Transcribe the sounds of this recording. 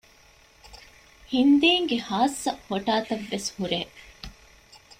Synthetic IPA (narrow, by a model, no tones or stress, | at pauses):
hind̪iːŋɡehaːsːɐhoʈaːt̪ɐʋːeshuɾeː